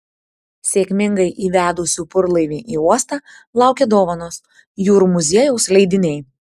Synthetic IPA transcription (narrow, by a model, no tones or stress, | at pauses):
sʲeːkʲmʲɪŋɡɐɪʔiːʋʲæːd̪ʊsʲuːpʊɾlˠɐɪʋʲiːʔiːuɔst̪ɑː | lˠɑˑʊkʲed̪oːʋɐnoːs | juːɾumʊzʲiɛjɛʊslʲɛɪd̪ʲɪnʲɛɪ